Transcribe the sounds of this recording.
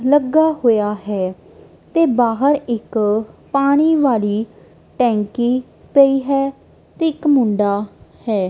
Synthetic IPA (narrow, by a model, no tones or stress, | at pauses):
ləɡaːɦoːjaːɦɛː | t̪eːbaːɦəɾɪkpaːɽ̃iːʋaːliː | ʈɛ̃ːŋkiː | pəiːɦɛː | t̪eːɪkmʊ̃ɳɖaːhɛː